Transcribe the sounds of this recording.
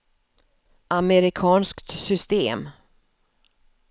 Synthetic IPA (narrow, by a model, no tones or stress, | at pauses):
ʔamɛɾɪkʰɑːnskt̪sʏst̪eːm